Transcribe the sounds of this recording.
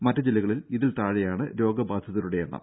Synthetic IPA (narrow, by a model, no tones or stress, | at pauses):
mɐtːɐd͡ʑilːɐɣɐɭiliðilt̪aːɻɐjaːɳɨɾo̞ːɡɐbaːd̪ʱjɐðɐɾuɽe̞jeɳːɐ̰m